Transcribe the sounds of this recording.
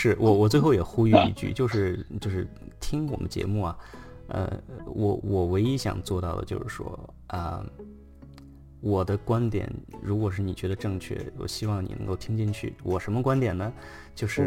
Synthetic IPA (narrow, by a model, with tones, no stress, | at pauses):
ʂɻ̩˥˩wʔɔ˨˩wɔ˨˩t͡swe˥˧ɪxo˥˩ʊjɛ˨˩xu˥y˥˧ḭ˧˩t͡ɕy̰˥˩t͡ɕjo˥˧ʊʂɻ̩˥˧t͡ɕjo˥˧ʊʂɻ̩˥˩ | t̪ʰi˥ŋwɔ̰˨˩mə̰˦t͡ɕjɛ̰˧˥mu˥˩ɐ˩ | ə̰˧wʔɔ̰˧˥wɔ˨˩we˧˥ɪi˥ɕjɑ̰˨˩ŋt͡swɔ˥˧t̪ɑ˥˩ʊd̪ə̰˩t͡ɕjo˥˧ʊʂɻ̩˥˩ʂwɔ̰˥ | ə̰˧ | wɔ˨˩d̪ə˦kwa˥nt̪jɛ̰˨˩˦nɻu˧˥kwɔ˨˩ʂ̬ɻ̩˥˩ni˨˩t͡ɕɥɛ˧˥d̪ə˧ʈ͡ʂɤ˥˧ŋt͡ɕʰɥɛ̰˥˩wɔ̰˨˩ɕi˥wɑ˥˩ŋnḭ˨˩nɤ̰˧˥ŋko˥˩ʊt̪ʰi˥ŋt͡ɕi˥˧nt͡ɕʰy̰˥˩wɔ˨˩ʂə˧˥nmə˧kwa˥nt̪jɛ˨˩nə˩ | t͡ɕjo˥˧ʊʂɻ̩˥˩